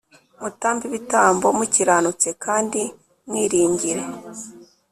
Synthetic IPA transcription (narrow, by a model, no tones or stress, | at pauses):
mutaːmbiβitaːmbo̞muciɾaːnut͡se̞kaːndi | mŋwiːɾiːɲɟiɾe̞